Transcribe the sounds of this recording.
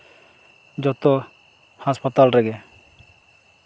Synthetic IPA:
d͡ʒɔt̪ɔ | haspat̪alɾɛɡɛ

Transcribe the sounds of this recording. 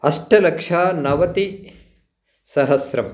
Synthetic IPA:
ɐʂʈɐlɐkʂaːnɐʋɐt̪i | sɐɦɐsɾɐm

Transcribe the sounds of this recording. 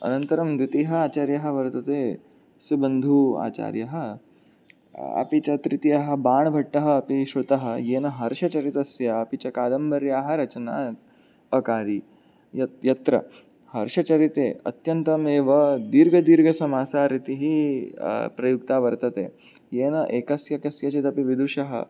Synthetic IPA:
ɐ̰nɐnt̪ɐɾɐmd̪it̪iɦɐaːt͡ʃaːɾjɐɦɐ̆ʋɐɾt̪ɐt̪eː | subɐnd̪ʱua̰ːt͡ʃa̰ːɾjɐɦɐ̆ | ɐ̰pit͡ʃɐt̪ɾit̪ijɐɦɐ̆baːɳɐbʱɐʈːɐɦɐ̆ːpiʃɾut̪ɐɦɐ̆jeːnɐɦɐɾʃɐt͡ʃɐɾit̪ɐsjɐɐpit͡ʃɐkaːd̪ɐmbɐɾjaːɦɐ̆ɾɐt͡ʃɐnaː | ɐkaːɾi | ɐjɐt̪ɾɐ̰ | hɐɾʃɐt͡ʃɐɾit̪eːɐ̰t̪jɐnt̪ɐmeːʋɐd̪iːɾɡʱɐd̪iːɾɡʱɐsɐmaːsaːɾit̪iɦi | pɾɐjukt̪aːʋɐɾt̪ɐt̪ḛː | jeːnɐʔeːkɐsjɐkɐsjɐt͡ʃit̪ɐpiʋid̪ʱuʃɐɦɐ̰

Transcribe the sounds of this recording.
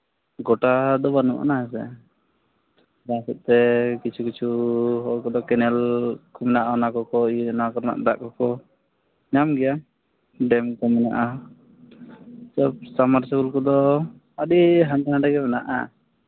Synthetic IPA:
ɡɔʈad̪ɔbanṵʔa̰naɦɛsɛ̰ | d̪asɛt̪̚ˀt̪ɛkit͡ʃʰukit͡ʃʰuɦɔlkɔd̪ɔkɛnɛlkɔmɛnaʔaɔnakɔkɔinakɔɾna̰ʔd̪aʔkɔkɔ | ɲamɡɛja | ɖɛmkɔmɛna̰ʔa | sɔb̚samaɾsakulkɔd̪ɔ | aɖiɦãɲt͡ʃanãɖaɡɛmɛnaʔa̰

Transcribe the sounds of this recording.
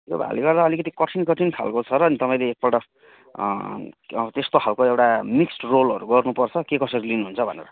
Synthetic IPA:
eba̰a̰liɡʌrd̪aʌlikʌt̪̬ikʌʈʰinkʌʈʰink̪ʰa̰lkot͡sʰʌɾʌːnit̪ʌpaj̃leːk̚paʈʌ | t̪est̪okʰalkoewʈamiksʈrolʌɾuɡʌrnupʌrt͡sʰʌkekʌsʌɾilinuɦunt͡sʰʌbʱʌnḛɾʌ̰

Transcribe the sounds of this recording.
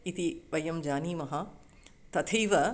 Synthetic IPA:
it̪iʋɐjɐmd͡ʑaːniːmɐɦa | t̪ɐt̪ʰiːʋɐ

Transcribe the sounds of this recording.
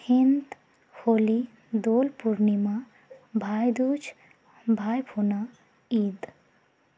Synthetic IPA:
hint̪ | hoːli | d̪olpuɾnimã | bʱajd̪ud͡ʒʰ | bʱajpʰuna | iːd̪

